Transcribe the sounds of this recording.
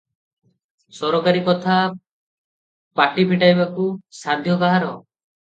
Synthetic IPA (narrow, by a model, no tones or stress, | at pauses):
sɔɾɔkaɾikɔt̪ʰa | paʈipʰiʈajbakusad̪ʱjɔbaɦaɾɔ